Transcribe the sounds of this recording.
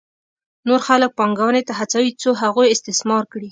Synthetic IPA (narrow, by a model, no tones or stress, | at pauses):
noɾxalək̚pɑŋɡawənet̪aɦat͡sawit͡soɦaɣujɪst̪ɪsmɑɾkɽi